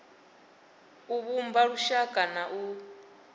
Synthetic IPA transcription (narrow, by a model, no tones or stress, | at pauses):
uβumbaɺuʃakʼanaʔu